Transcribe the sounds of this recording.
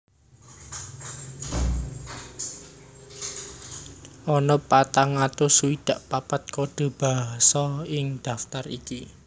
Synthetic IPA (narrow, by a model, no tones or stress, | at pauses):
ʔɔnɔpat̪aŋat̪ʊsuwid̪̥a̤ʔpapat̪̚koɖ̥o̤b̥aɦasɔɪŋd̪̥ä̤ft̪arḭki